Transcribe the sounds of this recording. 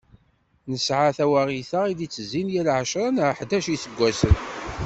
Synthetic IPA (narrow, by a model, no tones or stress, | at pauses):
nəsʕaθæwæʁiθaʁiðit͡sːəzːinjælʕʃɾˤɑnʕħd̪æʃiθəɡʷːæsən